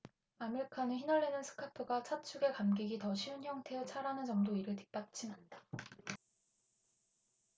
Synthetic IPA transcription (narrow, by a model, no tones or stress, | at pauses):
mamiɭkʰanɯçinʌɭːenɯnsʰɯ̥kʰapʰuɡat͡ɕʰat͡ɕʰuɡe̞kamɡiɡitʌɕʰiunçjʌŋtʰet͡ɕʰaɾanɯnt͡ɕʌŋdoiɾɯɭti̥p̚p͈at͡ɕʰinand͈ḁ